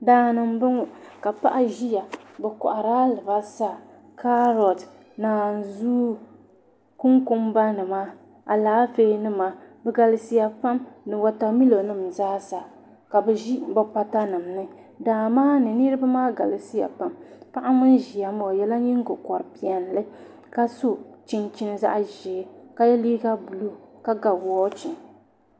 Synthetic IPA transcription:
daː˨nɨ˨m˦bɨ˦ŋʊ˨ka˨pa̰˦ʔa˦ʒi˦ja˨bɛ˨kʊ̰˨ʔa˨ɾaː˦lɨ˨ba˦sa˦˨ | ka˦ɾɔ˨t | naː˨n˨zuː˦ | ku˦ŋku˦mba˦nɨ˨maː˦ | ʔa˨laː˨˦feː˦nɨ˦maː˦bɛ˨ɡa˨la˦si˦ja˨pa˦mnɨ˨wa˦ta˨mi˦lo˨nɨ˦mzaː˦saː˨ | ka˨bɛ˨ʒi˦ba˦pa˦ta˦nɨ˨mnɨ˦ | daː˨maː˦nɨ˨nɨ˦ɾɨ˦ba˦maː˦ɡa̰˨lɨ˨si˦ja̰˨pa˨mpa˦ʔa˦mɨ˦n˦ʒi˨ja˨mɔ˨jɛ˦la˦ɲi˦ŋ˦ɡʊ˨kɔ˨ɾɨ˨pi˨ɛ˨n˨lɨ˦ | ka˦su˦t͡ʃi˦nt͡ʃi˦n˦za̰˦ʔʒɛ˨˦ka˦jɛ˦liː˦ɡa˦bu˨lo˦ka˦ɡa˨wɔ˦t͡ʃi˨n

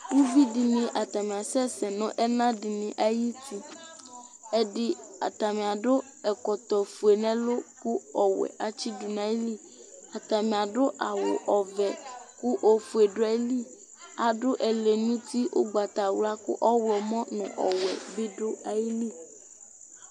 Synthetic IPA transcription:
wu˦bi˦di˨nĩ˨ʔa˨t̪a˨mĩ˨a˨sɛ˦sɛ˨nʊ̃˦ʔɛ˦nã˦di˨nĩ˨ʔa˨ji˦t̪ʰi˦ | ɛ˨di˦a̰˨t̪a˨mĩ˨a˨ɖʊ˦ | ɛ˨kɔ˨t̪ɔ˨fu˨e˨nɛ̃˦lo˦ku˦ɔ˨wɛ̰˨ʔa˨t͡ɕi˦du˨nã˨˦e˦li˦ | a˨t̪a˨mĩ˨a˨ɖʊ˦ʔa˨wʊ̰˨ʔɔ˨vɛ˨ku˦ʔo˨fu˨e˨ɖʊ˦a˨˦li˦ | a˨ɖʊ˦ʔɛ˨le˨nũ˦t̪i˦wʔo̰˦ɡ͡ba˨t̪a˨wla˦kʊ̰˦ʔɔ˦wɛ˨mɔ̃˦nʊ̰̃˨ʔɔ̰˨wɛ˨be˦ɖʊ˦a˨ji˦li˦

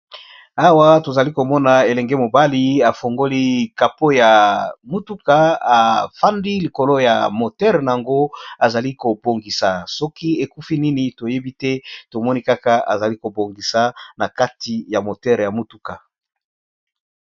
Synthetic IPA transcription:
a˦wa˦to˨za˨li˦ko˨mɔ˦na˨e˨lɛ˨ŋɡe˦mo˨ba˦li˦a˨fo˨ŋɡo˦li˦ka˨po˦ja˨mu˦tu˦ka˨a˨fa˦ndi˦li˨ko˨lo˦ja̰˨mo˨tɛ˦ʁna˨a˨ŋɡo˦a˨za˨li˦ko˨bo˨ŋɡi˨sa˨sɔ˦ki˦e˨ku˦fi˦ni˦ni˨to˨je˦bi˦tɛ˦to˨mɔ˦ni˦ka˦ka˨a̰˨za˨li˦ko˨bo˨ŋɡi˨sa˨na˨ka˦ti˨ja˨mo˨tɛ˦ʁja˨mu˦tu˦ka˨

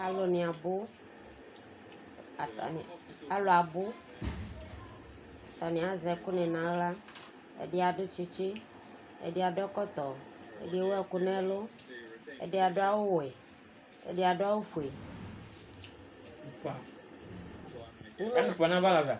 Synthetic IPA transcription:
a˨lo˨nĩ˨a˨bʊ˦˨ | t̪a̰˨n˨a˨lo˨a˨bʊ˦˨ | t̪a˨nĩ˨a˨zɛ˨˦kʊ˦nɛ̃˨nã˨˦la˦ | ḛ˨dɪ˦a˨ɖʊ˦t͡ʃe˦t͡ʃe˦ | ḛ˨de˦a˨ɖɔ˦kɔ˦t̪ɔ˨ | ḛ˦de˦e˦wo˦ɛ˨kʊ˦nɛ̃˦lo˦ | ḛ˦˨de˦a˨ɖʊ˦a˦wo˦wo˨e˨ | ḛ˨de˦a˨ɖʊ˦a˦wo˦fu˨e˨˦ | fa˨ | nũ˦mẽ˦˨fɔ˨nã˦va˦la˨va˨

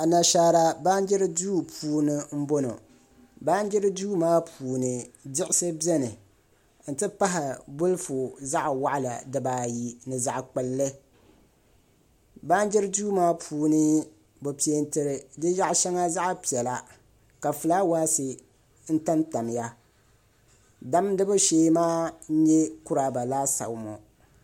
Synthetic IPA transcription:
a˨na˨ʃaː˨˦ɾa˦ba˦n˦d͡ʒɪ˦ɾɨ˦duː˦pʰuː˨nɨ˦m̩˦bo˦no̰˨ | ba˦n˦d͡ʒɪ˦ɾɨ˦duː˦maː˦pʰuː˨nɨ˨dɪ˦ʔɪ˦sɨ˦bi˦ɛ˦nɨ˨ | n̩˨tɨ˦pa˦ɦa˨bʊ˦lfu˨za˦ʔwa˨ʔa˦la̰˨dɨ˨baː˨ji˨nɨ˨za˨ʔk͡pɨ˨lːɨ˦ | ba˦n˦d͡ʒɛ˦ɾɨ˦duː˦maː˦pʰuː˨nɨ˦ | bo˨pi˨˦e˦ntɨ˨ɾɨ˨dɨ˦ja˦ʔʃɛ˦ŋa˦za˦ʔpi˨ɛ˨la˨ | ka˨fɨ˨laː˦waː˦sɨ˨ | n̩˦ta˦nta˨m˨ja˦ | da˦mdɨ˦bʊ˦ʃeː˦maː˦ɲɛ˦kʊ˦ɾa˨ba˨laː˦sa̰˨mɔ˨

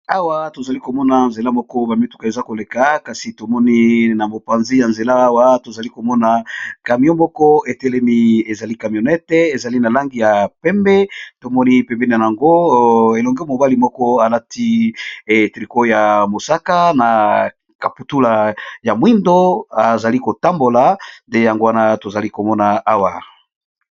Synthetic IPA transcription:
a˦wa˦to˨za˨li˦ko˨mɔ˦na˨nze˨la˦mɔ˦kɔ˦ba˨mi˦tu˦ka˨e˨za˦ko˨le˨ka˨ka˨si˨to˨mɔ˦ni˦na˨mo˨pã˨nzi˦ja˨nze˨laː˦wa˦to˨za˨li˦ko˨mɔ˦na˨ka˨mi˨ɔ˦mɔ˦kɔ˦e˨tɛ˦le˦mi˦e˨za˨li˦ka˨mjɔ˨nɛ˦tɛ˦e˨za˨li˦na˨la˦ŋɡi˨ja˨pɛ˦mbɛ˦to˨mɔ˦ni˦pɛ˨mbɛ˦ni˨a˨ja˨ŋɡo˦e˨lɔ˨ŋɡɛ˦mo˨ba˦li˨mɔ˦kɔ˦a˨la˦ti˦˨ | tʁi˨ko˦ja˨mo˨sa˦ka˦na˨ | ka˨pu˨tu˦la˨ja˨mwi˦ndo˦a˨za˨li˦ko˨ta˦mbo˨la˨nde˦ja˨ŋɡo˦wa˦na˦to˨za˨li˦ko˨mɔ˦na˨a˦wa˨

